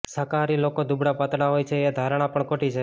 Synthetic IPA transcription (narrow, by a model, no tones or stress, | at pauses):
səkaɾilokod̪ubɽapat̪ɽaɦojt͡ʃʰeːd̪ʱaɾɽ̃apəɳkoʈit͡ʃʰe